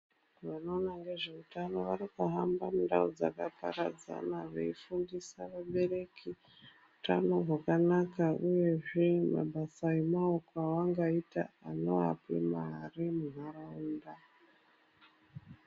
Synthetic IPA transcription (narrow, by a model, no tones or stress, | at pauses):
ʋano̞ːnaŋɡe̞ʐe̞utano̞ʋaɾikaɦambamundaud͡za̰kapa̰ɾa̰d͡za̰naʋeifundisaʋaɓe̞re̞kʰi | utanoɦwakanakauje̞ʐema̰basaimaokwawaŋɡaita̰ano̞a̰pḭmarimuɦaɾauːnda